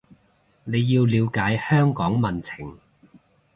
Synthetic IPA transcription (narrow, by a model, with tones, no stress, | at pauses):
ne˨˧jːiː˧wliː˨˧wkaː˨˥jhœː˥ŋkɔː˨˥ŋmɐ˨nt͡sʰɪ˨˩ŋ